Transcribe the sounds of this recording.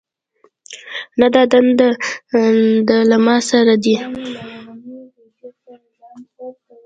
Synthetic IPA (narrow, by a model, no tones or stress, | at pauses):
nad̪ɑd̪and̪a | d̪əlamɑsaɾad̪i